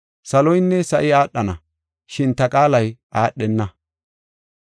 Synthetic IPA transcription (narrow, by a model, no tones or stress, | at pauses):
sɐlɔjnːɛsɐʔɪaːɗːɐnɐ | ʃɪnt̪ɐkʼaːlɐjʔaːɗːɛnːɐ